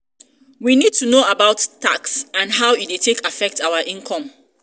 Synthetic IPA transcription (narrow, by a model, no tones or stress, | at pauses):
winid̚tunoabaʊtːaksãnɦaʊit̚detʰekafɛk̚tʰawəʔĩnkʰɔ̃m